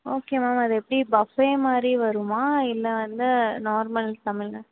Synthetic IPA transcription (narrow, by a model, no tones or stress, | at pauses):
oːkeːmaːmɐðɯɛpːɐɽibɐfeːmaːd̪ɾiʋɐɾɯmaːɪlːɛʋɐnd̪ɯnoːɾmɐlt̪ɐmɪlnɐ